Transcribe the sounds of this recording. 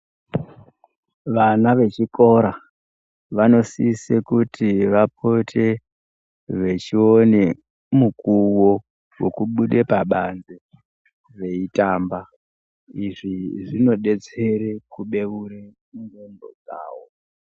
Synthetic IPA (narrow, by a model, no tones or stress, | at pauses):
ʋanaʋe̞t͡ʃiko̞ɾa | ʋano̞siːsekutʰiʋap̚ʰo̞tʰe̞ | ʋe̞t͡ʃione | mukuwo̞ | wokuɓuɗe̞paɓand͡ze | ʋe̞itaːmba | iʐiʐino̞ɗe̞t͡se̞ɾekuɓe̞uɾe | ndondo̰d͡za̰ːwo